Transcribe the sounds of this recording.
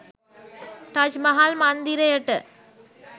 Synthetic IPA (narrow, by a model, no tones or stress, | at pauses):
ʈaːd͡ʒmɐɦaːlmaːnd̪iɾɐjɐʈːɐ